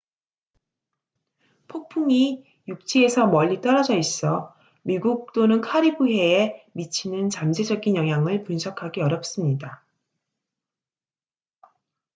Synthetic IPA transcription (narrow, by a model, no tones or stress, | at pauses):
pʰok̚pʰuŋi | juk̚t͡ɕ͈ie̞sʰʌmʌʎːit͈ʌɾad͡ʑʌis͈ʌ | miɡuk̚t͈onɯnkʰaɾibuɦe̞ːmit͡ɕʰinɯnt͡ɕamd͡ʑe̞d͡ʑʌɡinjʌŋɦjaŋɯɭpunsʰʌkʰaɡiʌɾjʌp̚s͈ɯmɲida